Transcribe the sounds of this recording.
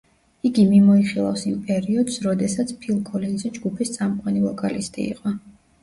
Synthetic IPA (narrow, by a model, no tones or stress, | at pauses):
iɡimimɔiχilˠa̰fsimpʼɛɾiɔd̪̥sɾɔd̪ɛsat̪sʰpʰilˠkʼʰɔlinzɛd͡ʒɡupʰist̪sʼamqʼwanivɔkʼalist̪ʼḭːqʼɔ